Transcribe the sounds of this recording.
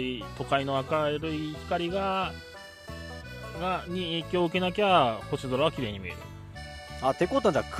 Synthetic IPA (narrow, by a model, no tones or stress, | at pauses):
it̪o̞kaino̞βakaɾɯ̟içi̥kaɾʲiɡa | ɡaɲ̟ieːkʲo̞ːɯ̟ke̞nak̬ʲeaaho̞ɕid̪oɾaβakʲiɾe̞ːɲ̟imḭeɾɯ̰ | at̪e̞kot̪ːãd͡ʑak